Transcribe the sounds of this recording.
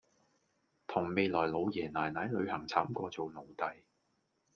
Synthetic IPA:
t̪ʰʊ˨˩ŋme˨˧jlɔː˨˩jlo˨˧wjɛː˨˩naː˨˩jnaː˨˥jlɵ˨˧ɥhɐ˨˩ŋt͡sʰaː˨˥mkʷɔː˧t͡so˨wno˨˧wt̪ɐ˨j

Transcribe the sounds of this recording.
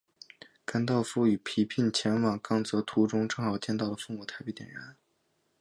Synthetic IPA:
ka˥nt̪ɑ˥˧ʊfu˥˩y˨˩pʰi˧˥pʰi˥˩nt͡ɕʰjɛ˧˥nwɑ˨˩ŋkɑ˥˩ŋt͡sɤ˧˥t̪ʰu˧˥ʈ͡ʂʊ˥ŋʈ͡ʂɤ˥˩ŋxɑ˨˩ʊt͡ɕjɛ˥˧nt̪ɑ˥˩ʊd̪ə˩fu˥˩ŋmu˨˩t̪ʰa˧˥ɪpt̪jɛ̰˨˩nɻə˧˥n

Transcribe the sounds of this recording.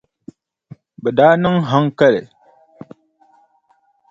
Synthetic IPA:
bə˨da˦nə˦ŋɦa˦ŋkə˦lḛ˨

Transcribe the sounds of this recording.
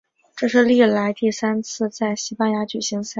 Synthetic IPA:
ʈ͡ʂɤ˥˧ʂɻ̩˥˧li˥˩la˧˥ɪt̪i˥˩sa˥nt͡sʰɹ̩˥˧t͡sa˥˩ɪɕi˥pa˥nja˧˥t͡ɕy˨˩ɕi˧˥ŋsa˥

